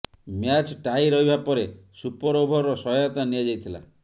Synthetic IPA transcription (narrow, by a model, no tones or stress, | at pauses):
mjat͡ʃʈajɾɔɦibapɔɾesupɔɾobʱɔɾɔsɔɔjɔt̪aniad͡ʒajt̪ʰila̰